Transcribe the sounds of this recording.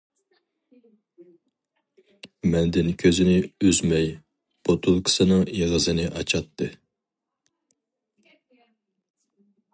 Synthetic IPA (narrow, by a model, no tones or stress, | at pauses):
mɛnd̪ɪnkʲʰøzɪnɪyzmɛj | b̥ot̪ʰulˠkʰɨ̥sɨnɨŋjeʁəzɨnɨʔɑt͡ʃʰɑt̪ʰːɨ